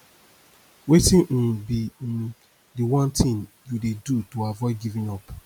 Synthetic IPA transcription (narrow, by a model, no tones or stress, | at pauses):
wetĩnn̩bin | diwãntʰĩn | judedutoavɔɪɡivĩnɔp